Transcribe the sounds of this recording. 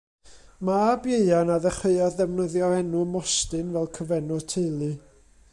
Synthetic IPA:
maːbjeɨanaðəχeɨaððɛvnəðjɔɛnʊmɔstɨnvɛlˠkʰəvɛnɔtʰejlˠɨ

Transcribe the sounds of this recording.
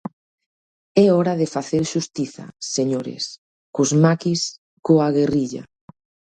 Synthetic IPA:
ɛɔɾaðɪfaθeɾʃust̪iθa̰seɲoɾɪ̰s | kʊzmakis | koaɣeriʎa̰

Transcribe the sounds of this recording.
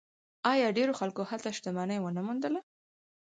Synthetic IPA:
ɑjɑɖeɾoxalkohalt̪aʃt̪amɑnəjwənamund̪əla

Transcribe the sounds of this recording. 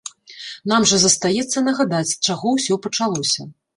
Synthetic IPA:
n̪amʐɐzɐst̪ajɛt̪sːɐnɐɣad̪at͡sʲt͡ʂaɣɔwsʲɔpɐt͡ʂalˠɔsʲɐ

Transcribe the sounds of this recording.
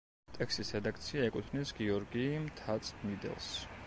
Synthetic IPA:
t̪ʼɛkst̪isɾɛd̪akʰt̪sʰiaɛkʼut̪ʰvnisɡiɔɾɡimt̪ʰat̪sʼmid̪ɛ̰lˠs

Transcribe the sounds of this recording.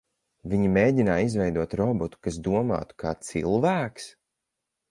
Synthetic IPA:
viɲimeːɟʲinaːizvɛjd̪uɔt̪ɾɔbɔt̪u̥kas̬d̪uɔma̰ːt̪u̥kaːt̪sḭlˠvæːks

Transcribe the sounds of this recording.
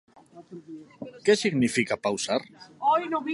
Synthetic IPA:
kesiɣnifikapawsaɾojnoβi

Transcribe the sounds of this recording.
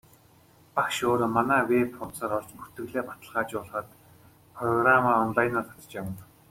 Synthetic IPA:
pakʃoːɾomanæːwepχʊnsaːɾɔɮt͡ɕpu̥t̪ɘ̆ɣɮeːpat̪ə̆ɮʁaːt͡ɕʊːɮχə̆t̪ | pʰrɔɣramaːɔnɮajnat̪ʰḁt̪ə̥̆t͡ɕjawə̆n

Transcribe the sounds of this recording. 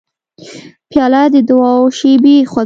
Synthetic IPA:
pjɑlad̪əd̪ʊwɑwʃebixwa

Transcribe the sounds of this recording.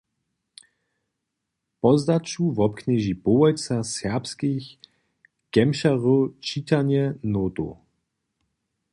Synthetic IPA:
pɔzd̪at͡ʃuvɔpkɲɛʒipoɛjt͡sasɛpskix | ɡ̥ɛmʃaʁot͡ʃiːt̪aɲjɛnoːt̪o̰

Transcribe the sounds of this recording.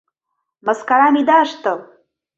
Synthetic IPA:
məskaɾamid̪aʂt̪əw

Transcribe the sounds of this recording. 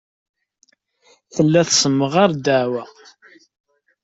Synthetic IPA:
θəlːæθsəmːəʁaɾd̪əʕwæ

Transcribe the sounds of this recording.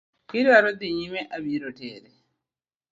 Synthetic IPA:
kiɾiaɾod̪iɲimeʔaβiɾotḛːɾe

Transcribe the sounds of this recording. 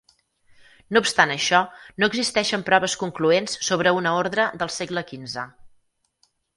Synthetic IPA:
noupst̪anəʃɔnoəɡzist̪ɛʃəmpɾɔβəskuŋkluensːoβ̞ɾəunəoɾðɾəðəlˠseɡləkinzə

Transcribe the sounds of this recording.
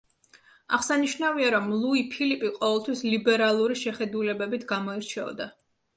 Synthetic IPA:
aχsaniʃnaviaɾɔmlˠuipʰilipʼiqʼɔvɛlˠt̪ʰwislibɛɾalˠuɾiʃɛχɛd̪ulɛbɛbit̪ʰɡamɔiɾt͡ʃʰɛɔ̰d̪a

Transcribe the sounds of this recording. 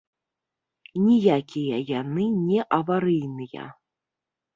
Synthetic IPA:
nʲijakʲijɐjanɨnʲɛʔɐvaɾɨjnɨjɐ̰

